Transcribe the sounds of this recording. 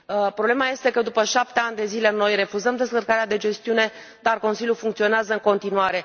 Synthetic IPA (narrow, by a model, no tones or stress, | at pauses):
əpɾoble̞maje̞st̪e̞kəd̪upəʃap̚t̪e̞anʲd̪e̞zile̞no̞jre̞fuzəmd̪e̞skərkaɾead̪e̞d͡ʒe̞st̪iune̞ | d̪arko̞nsilʲjufuŋkt̪sio̞neazəɨŋko̞nt̪inuaɾe̞